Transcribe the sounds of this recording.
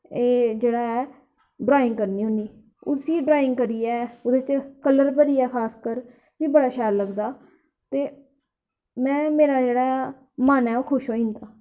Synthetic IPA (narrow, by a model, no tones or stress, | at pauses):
eːd͡ʒeːɽaːɛː | ɖɾaːɪ̃ŋɡkəɾniːɦʊniː | ʊsiːɖɾaːɪ̃ŋɡkəɾiːɛːoːd̪eːt͡ʃkələɾpəɾiːɛːkʰaːskəɾ | ʋiːbəɽaːʃɛːlːəɡd̪aː | t̪eː | mɛ̃ːmeːɾaːd͡ʒeːɽaː | mənɛːoːkʰʊʃɦoːĩːnd̪aː